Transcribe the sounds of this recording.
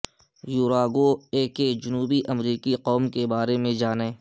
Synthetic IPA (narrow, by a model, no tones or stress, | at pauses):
juːɾaːɡoeːked͡ʒʊnuːbiʔɐmɾiːkiqɔːmkebaːɾemẽd͡ʒaːnẽː